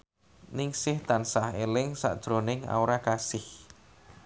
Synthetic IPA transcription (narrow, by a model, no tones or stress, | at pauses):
nɪŋsɪht̪ansahelɪŋsa̰ʔd̥ʒ̥ɾonɪŋa̰uɾakasɪh